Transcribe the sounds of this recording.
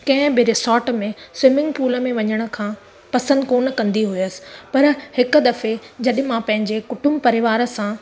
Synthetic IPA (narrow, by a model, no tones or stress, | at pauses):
kɐ̃ɦɪ̃biɾɪsɔːʈmẽsʋɪmɪ̃ŋɡpuːləmẽʋɐɲəɽ̃ə̆kʰãː | pɐsə̃nd̪koːnkɐ̃nd̪iɦuijəsɪ̥̆pɐɾhɪkʊ̆d̪ɐfed͡ʑɐɗɪmãpɐ̃ɦɪ̃ɲd͡ʑekʊʈʊmbpɐɾɪʋaːɾəsã